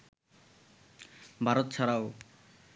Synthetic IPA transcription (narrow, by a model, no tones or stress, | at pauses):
bʱaɾot̪t͡ɕʰaɾao